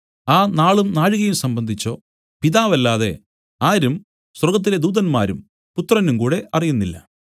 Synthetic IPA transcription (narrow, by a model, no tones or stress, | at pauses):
aːnaːɭumnaːɻuɣɐjumsɐmbɐnd̪ʱit͡ɕːo̞̰ː | piðaːʋɐlːaːðe̞̰ | aːɾum | swɐrɡɐt̪̬ːile̞d̪uːðɐnmaːɾum | put̪ːrɐnumkuːɽe̞ʔɐrijunːilːɐ̰